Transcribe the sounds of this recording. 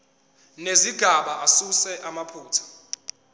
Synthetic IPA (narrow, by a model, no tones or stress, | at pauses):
neziɡ̥ʱaɓaasusɛʔamapʰuːtʰḁ